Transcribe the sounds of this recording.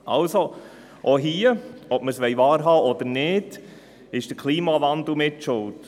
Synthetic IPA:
ɑlso | ʔoɦiːəɔp̚məsʋɛjʋɑːɾɦɑːʔɔd̥̪ənɪːd̥ | ɪʃd̥əkʰliːmɑʋɑnd̪l̩mɪtʃʊlt

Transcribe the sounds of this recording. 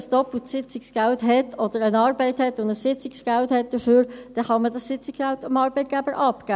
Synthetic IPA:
sd̥ɔpl̩tsɪt͡sɪksɡ̥æltɦɛtʰɔd̥əɾənɑːɾbɛɪthɛtʊndəssɪt͡sɪksɡ̥ælthɛt̚d̥əføːɾd̥ɛχɑmədɑssɪt͡sɪkæltɑmɑːɾbɛɪt̚ɡ̥æbəɾʔɑpɡ̥æː

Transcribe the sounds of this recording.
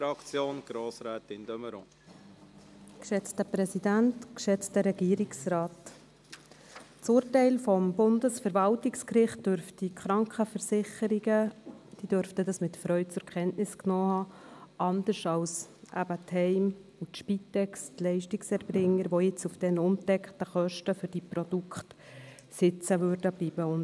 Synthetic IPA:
ɾɑkt͡sjoːnɡ̥ɾoːsɾɛːt̪ɪndœməɾɔ̰̃ | kʃɛt͡stəpɾɛsidæntkʃɛt͡stəɾɛɡ̥iːɾiksɾɑːt | t͡sʊːɾtɛɪlfɔmbʊndəsfəɾvɑltɪkskɾɪχtdøɾftikχɾɑŋkχəfəɾsɪχəɾiɡəd̥iːd̥øɾftədɑsmɪtfɾœʏt͡sʊɾkʰɛntnɪsknoːhɑːʔɑndəɾʃɑlsʔæbəthɛɪmutʃpitːɛkstlɛɪʃtiksɛɾbɾɪŋːəɾʋojɪt͡sufd̥ɛnʊmtɛkχtəχœʃtəfʏɾd̥ipɾɔdukχt | sɪt͡səʋøɾdəb̥liːbəʊn

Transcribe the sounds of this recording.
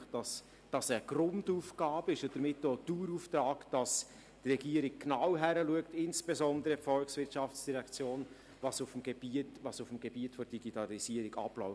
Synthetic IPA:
d̥ɑs | d̥ɑsəɡ̥ɾʊnduːfɡ̥ɑːbɪʃd̥əɾmɪtːoːd̥uːɾuftɾɑːkd̥ɑs | trɛɡiːəɾɪk̚knawɦæɾəluək̚tɪnsb̥ezɔndəɾəfɔlksvɪɾtt͡ʃɑft͡sd̥iʁɛkt͡sjoːn | vɑsʊfmɡ̥eb̥itvɑsʊfm̩ɡ̥ebiətfɔd̥iɡitɑlisiəɾɪɡɑ̰plɔʊ

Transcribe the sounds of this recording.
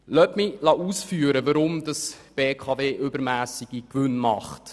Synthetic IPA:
lœpmilɑʔuːsfyːɾəvəɾʊmdɑsb̥eːkʰɑːveːʔʏbəɾmæːsiɡ̥ikʋʏnmɑχt

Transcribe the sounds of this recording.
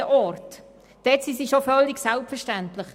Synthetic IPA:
əʔɔrt | d̥ɛtsisiʃofœlːiɡsɛlpfɛɾʃtæntləχ

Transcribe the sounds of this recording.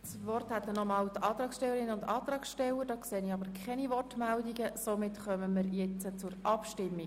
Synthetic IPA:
sʋɔrthɛt̪ːənɔmɑːltɑːt̪ɾɑːksʃtɛlːəɾɪnəʊndɑːt̪rɑːksʃtɛləɾd̥ɑːkseːənɪɑbəɾkʰχɛniʋɔrtmældiɡəsomɪtχœməmɪɾjɛt͡sət͡sʊɾɑpʃtɪmːi

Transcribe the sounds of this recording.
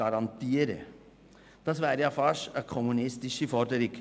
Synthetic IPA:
ɑɾɑnt̪iːəɾə̰ | d̥ɑsvæːɾjɑfɑʃəkʰɔmunɪstɪʃəfɔɾdəɾɪk

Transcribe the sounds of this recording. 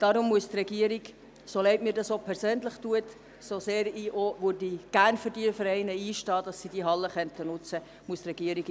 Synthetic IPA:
d̥ɑɾʊmːuəst̪rɛɡiəɾiɡ | solɛɪtmiːɾdɑsopʰɛɾsøːnləχtuət | soseːɾiːʔoʋødiɡ̥ærnfəɾdiəfəɾɛɪnəiːʃtɑːd̥ɑsːidiɦɑlːəχœntənʊt͡sə | muəstrɛɡ̥iəɾiɡ

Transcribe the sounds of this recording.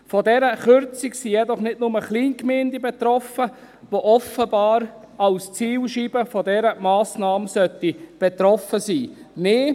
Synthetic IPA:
fɔdɛɾəχʏɾt͡siksijɛdɔχnɪdnʊməχliːnkmeːndibɛt̪ɾɔfə | ʋoʔɔfəbɑːɾ | ɑlst͡siːlʃiːb̥əfɔdɛɾəmɑːsnɑːmsœt̪ib̥ɛt̪ɾɔfəsiːmeː

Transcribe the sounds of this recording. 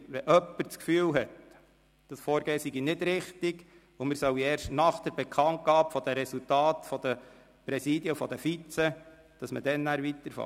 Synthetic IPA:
ʋɛʔœpːəɾt͡skfyːlɦɛt | d̥ɑsfɔːɾɡeːəsiɡinɪdɾɪχtiɡ | ʊmɪɾsœwiɛːɾʃtnɑχd̥əɾbɛkʰɑnt̚ɡ̥ɑːpfɔd̥̪əɾɛsultɑːt̪fɔd̥̪ə | pɾɛsidjəfɔd̥̪əfit͡sɛ | d̥ɑsmə̰d̥ɛnːæːɾʋitəɾfɑ̰

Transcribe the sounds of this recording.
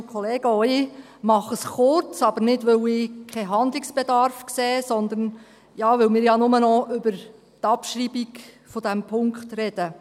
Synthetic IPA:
kʰɔleːɡ̥əɔji | mɑχəsχʊrt͡sɑb̥əɾnɪdʋʏwɪkʰɛɦɑnd̪liksb̥ed̪ɑɾfkseːsɔnd̪ən | jɑːʋʏwmɪːɾjɑnʊmənɔʏbəɾ | t̪ɑpʃriːbik | fɔd̥̪æmpʰʊŋkχtrɛd̥ə

